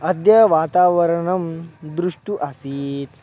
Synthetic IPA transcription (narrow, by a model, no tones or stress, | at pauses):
ɐd̪jɐʋaːt̪aːʋɐɾɐɳɐmd̪ɾuʂʈuʔɐsiːt̪